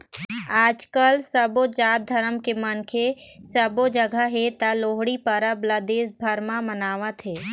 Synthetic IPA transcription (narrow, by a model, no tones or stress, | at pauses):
aːd͡ʒkəlsəbod͡ʒaːt̪̚d̪ʱɐɾəmkemənkʰesəbod͡ʒəɡʱaɦet̪aloːɦɽipəɾablad̪eːsbʱəɾmamənaːʋat̪ʰeː